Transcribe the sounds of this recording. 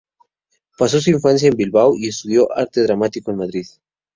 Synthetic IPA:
pas̬os̬uiɱfans̬jaembilβawie̞s̬t̪uðjoʔaɾt̪eð̞ɾamat̪ikoenmaðɾið

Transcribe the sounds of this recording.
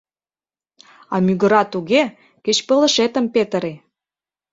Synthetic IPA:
ɑ̰myɣə̆ɾɑt̪uɣe | ket͡ɕpə̆lə̆ʃet̪ə̆mpet̪ə̆ɾe

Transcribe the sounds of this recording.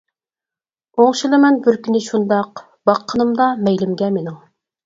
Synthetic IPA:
oŋʃilˠɨmɛnbɪɾkʲynɪʃund̪ɑq | b̥ɑqʰːənɨmd̪ɑmɛjlɪmɡʲɛmenɪŋ

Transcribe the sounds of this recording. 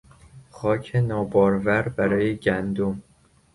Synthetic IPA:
xɒːcʰenɒːbɒːɾvæɾbæɾɒːjeɟænd̪om

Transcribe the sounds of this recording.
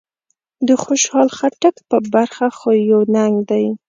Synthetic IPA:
d̪əxoʃhɑlxaʈakpəbaɾxaxojonaŋɡd̪aj

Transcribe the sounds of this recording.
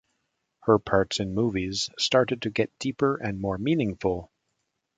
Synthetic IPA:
hə˞pʰɑɹtsɨ̃nmuviz̥stɑɹɾɨd̚tʰɨɡɛt̚d̥ipə˞ʔɨ̃nmɔɹmĩnɪ̃ŋfl̩ˠ

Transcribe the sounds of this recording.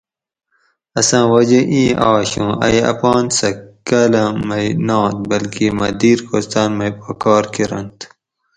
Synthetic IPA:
ɐsãːwɐd͡ʑeʔĩːʔɑːɕũːɐjɐ̰pɑ̃ːnsɐkɐlãmɐjnãːt̪̚bɐlkimɐ̰d̪iːɾkost̪aːnmɐjpɐkɑːɾkiɾɐnt̪

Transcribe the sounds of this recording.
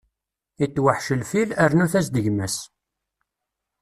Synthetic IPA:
it̪ːwaħʃəlfilæɾnuθæsd̪əʝmæs

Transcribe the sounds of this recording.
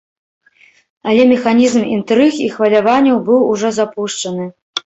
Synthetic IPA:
ɐlʲɛmʲɛxanʲizmḭnt̪ɾɨxixvɐlʲavanʲːɐwbɨwuʐɔzapuʂt͡ʂɐnɨ

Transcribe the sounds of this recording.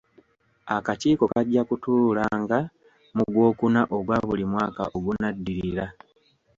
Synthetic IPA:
akaciːko̞kaɟːakutuːlaŋɡa | muɡwo̞ːkunaʔo̞ɡwaβulimwaːka̰ʔoɡunadːiɾiɾa

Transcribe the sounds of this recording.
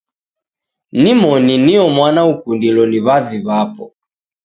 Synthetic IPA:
nimɔniniɔmwanaukundilɔniβaðiβapɔ

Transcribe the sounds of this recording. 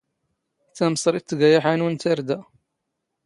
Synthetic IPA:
t̪æmsˤɾˤit̪ːəɡæjaħanwənt̪əɾd̪a

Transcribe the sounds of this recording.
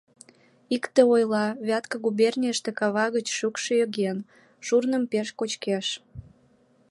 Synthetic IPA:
ikt̪ĕojlɑβʲɑt̪kəɣubernʲijəʃt̪ĕkɑβɑɣət͡ɕʃukʃejoɣen | ʃurnəmpeʃkot͡ɕkeʃ

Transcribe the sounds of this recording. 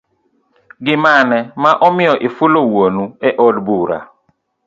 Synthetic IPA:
ɡɪmanɛmaʔɔmɪɔʔifulowonuɛʔɔdbuɾa̰

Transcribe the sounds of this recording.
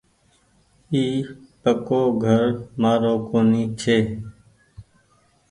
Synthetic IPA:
iːpəkoːɡʱəɾmaːɾoːkoːniːt͡ʃʰeː

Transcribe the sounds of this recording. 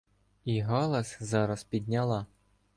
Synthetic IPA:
iɦɑlˠɐszɑɾɐspʲid̪ʲnʲɐlˠɑ

